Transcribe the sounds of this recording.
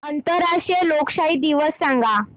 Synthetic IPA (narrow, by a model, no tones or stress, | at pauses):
ənt̪əɾaʂjəlokɕaid̪iʋəsːãŋɡa